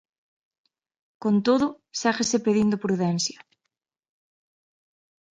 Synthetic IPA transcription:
kont̪oðʊ | saɣesepeðind̪opɾuðɛnsjɐ

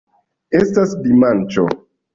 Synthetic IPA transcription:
estasdimant͡ʃo̰

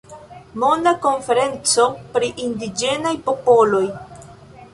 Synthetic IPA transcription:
mo̞ndako̞nfe̞ɾe̞nt͡so̞pɾiʔindid͡ʒe̞najpo̞po̞lo̞j

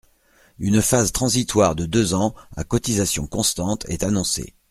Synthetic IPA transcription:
ynfazt̪χɑ̃zit̪waʁd̪əd̪øzɑ̃a̰kɔt̪izasjɔ̰̃kɔ̃st̪ɑ̃t̪ʰɛ̰t̪anɔ̃sḛ

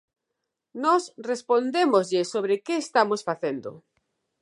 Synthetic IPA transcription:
nɔsrespond̪emozʎɪsoβ̞ɾekeːst̪amosfaθend̪o̰

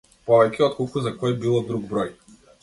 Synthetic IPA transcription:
pɔvɛcʲɛɔt̪̚kɔlˠkuzakɔjbilˠɔd̪ɾuɡbɾɔj

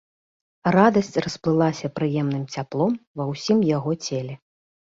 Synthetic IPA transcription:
rad̪ɐsʲt͡sʲrɐsplˠɨlˠasʲɐpɾɨjɛmnɨmt͡sʲaplˠɔmvɐwsʲimjaɣɔt͡sʲɛlʲɛ

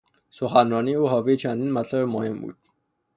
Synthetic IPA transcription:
sʊχanɔniuχɔwiːt͡ɕʰanĭnmaɮɔmɔjəmṵt̪

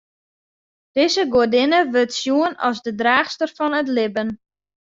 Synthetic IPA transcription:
d̥ɪzəɡodɪnəʋøtsjuənɔ̰lˠzdədraːxstərfɔnətlɪbən

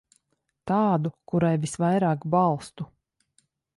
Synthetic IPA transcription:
t̪aːd̪ukuɾajvisvajɾaːkbɑlˠst̪u

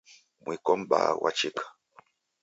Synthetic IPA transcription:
mwikɔm̩ba̰wʔa̰t͡ʃikḁ

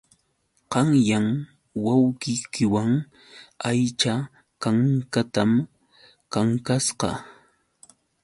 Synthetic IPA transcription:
qɑŋjaŋ | wawkɪjkɪwaŋ | ajt͡ʃa | kaŋkat̪am | kaŋkasqɑ̰

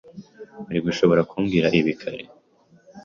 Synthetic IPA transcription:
aɾiɡuʃo̞βo̞ɾakʰuːŋɡiɾaʔiβikʰaɾḛ

